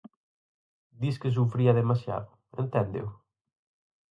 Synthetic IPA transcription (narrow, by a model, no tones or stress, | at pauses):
d̪iskɪs̬ufɾiɐðemasja̰ðʊ | ḛnt̪ɛnd̪ḛw